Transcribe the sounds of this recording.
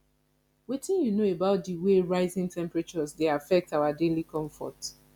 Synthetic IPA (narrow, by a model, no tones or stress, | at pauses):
witĩnjunoebaʊt̚diweɹaɪzɪ̃ŋtʰɛ̃mpɹat͡ʃɔzdeafɛk̚tawadelikʰɔ̃ɱfɔ̰t